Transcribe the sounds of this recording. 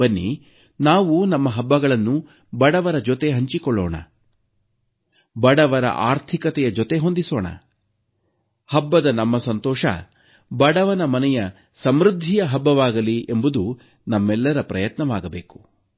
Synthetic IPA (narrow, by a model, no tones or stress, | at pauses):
ɐnːḭ | naːʋunɐmːɐɦɐbːɐɡɐɭɐnːu | bɐɽɐʋɐɾɐd͡ʒɔt̪e̞ɦɐɲt͡ʃikɔɭːɔːɳɐ̰ | bɐɽɐʋɐɾɐ̰ʔaːɾt̪ʰikɐt̪ɛjɐd͡ʒɔt̪eɦond̪iso̰ːɳɐ̰ | hɐbːɐd̪ɐnɐmːɐsɐnt̪ɔːʂɐ̰ | bɐɽɐʋɐnɐmɐnɛjɐ | sɐmɾud̪ʱːijɐɦɐbːɐʋaːɡɐliʔembud̪u | nɐmːɛlːɐɾɐpɾɐjɐt̪nɐʋaːɡɐbeːku̥